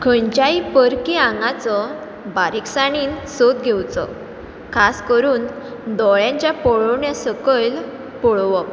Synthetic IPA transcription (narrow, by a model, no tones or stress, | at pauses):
kʰəɳt͡ɕaipəɾkiãŋɡat͡sɔ | baɾiksaɽ̃iːnsot̪̚ɡʱewt͡sɔ̰ | kʰaskəɾuːn | d̪ɔɭjãɲt͡ɕjapɔɭɔʋɳjasəkəl | pɔɭʋɔ